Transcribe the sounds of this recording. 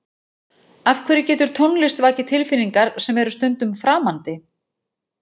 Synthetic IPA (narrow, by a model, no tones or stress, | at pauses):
afkʰvɛːɾɪcɛːt̪ʏɾ̥t̪ʰownlɪst̪vaːcɪt̪ʰɪlfɪnːiŋkaɾ̥sɛmɛɾʏst̪ʏnt̪ʏmfɾaːmant̪ɪ